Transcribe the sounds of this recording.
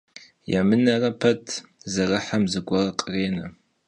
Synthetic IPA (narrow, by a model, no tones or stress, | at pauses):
ja̰mɨnɐrɐpʰɐtʰzɐrɨħamzɨɡʷɐrɐqʼəreːnɐ